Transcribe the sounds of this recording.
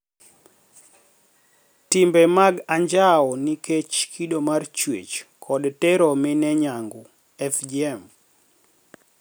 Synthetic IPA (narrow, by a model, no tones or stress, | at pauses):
timbɛmaɡaɲd͡ʒaɔniket͡ʃkʰiɗomart͡ʃwḛt͡ʃkʰɔdtɛɾɔminɛɲaŋɡʊ | ɛfd͡ʒiɛm